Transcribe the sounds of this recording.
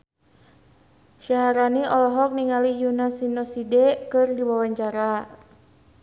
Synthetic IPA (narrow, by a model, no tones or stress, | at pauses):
ʃaɦaɾaniʔɔlɔɦɔk̚niŋalijunasinɔsidɛkɨrdiwawaɲt͡ʃaɾa